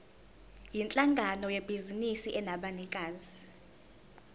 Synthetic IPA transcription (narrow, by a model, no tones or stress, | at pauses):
jint͡ɬʼaŋɡʱanɔjeb̥ʱizinisiʔɛnaɓanikʼaːzi